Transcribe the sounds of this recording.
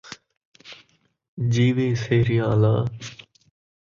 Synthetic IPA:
d͡ʑiːʋiːseːɾɪjãːlaː

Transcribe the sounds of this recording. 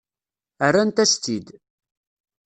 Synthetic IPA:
ərːant̪æst̪id̪

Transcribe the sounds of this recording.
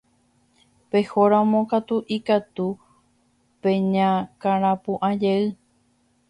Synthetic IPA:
pe̞hoɾãmõkat̪uʔikat̪u | pẽ̞ɲãkãɾ̃ãpũʔãd͡ʒeɨ

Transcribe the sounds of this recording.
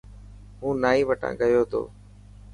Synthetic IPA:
ɦũːnaːiːʋəʈʰã̰ːɠəjoːt̪ʰo̰ː

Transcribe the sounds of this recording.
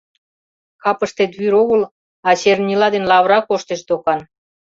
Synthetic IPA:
kɑpəʃt̪et̪βyɾoɣəl | ɑt͡ɕernʲilɑd̪enlɑβɾɑkoʃt̪eʃd̪okɑn

